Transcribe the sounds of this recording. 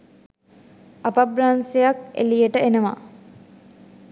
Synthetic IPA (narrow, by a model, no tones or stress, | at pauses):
apabɾansejakḛlijəʈəenəʋa̰